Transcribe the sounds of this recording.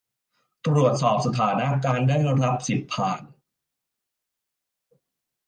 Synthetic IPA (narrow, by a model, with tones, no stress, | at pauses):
t̪ɾu˨˩ət̪̚sɔː˨˩p̚sa˧t̪ʰaː˩˦na˦˥kaː˧ndaː˥˩jɾa˦˥p̚si˨˩t̪̚pʰːaː˨˩n